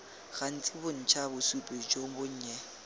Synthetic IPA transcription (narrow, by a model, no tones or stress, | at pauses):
ɣ̥an̩t͡sʼɪbʊn̩t͡ʃʰabʊsupʼɪd͡ʒobʊɲ̩ːɲɛ